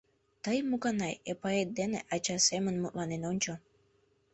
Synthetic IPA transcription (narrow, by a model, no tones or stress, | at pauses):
t̪əjmukɑnɑjepɑet̪̚d̪eneʔɑt͡ɕɑsemənmut̪lɑnenonʲt͡ɕo